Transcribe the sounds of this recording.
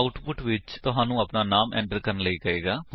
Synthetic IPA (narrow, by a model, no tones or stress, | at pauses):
ʊʈpʊʈʋɪt͡ʃt̪ʊɦãːnũːəpnaːnaːmɛ̰̃ːɳʈəɾkəɾənləiːkəeːɡaː